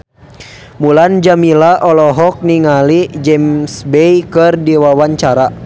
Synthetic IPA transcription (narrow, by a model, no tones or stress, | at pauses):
muland͡ʒamilaʔɔlɔɦɔk̚niŋalid͡ʒɛmsbɛjkɨrdiwawaɲt͡ʃaɾa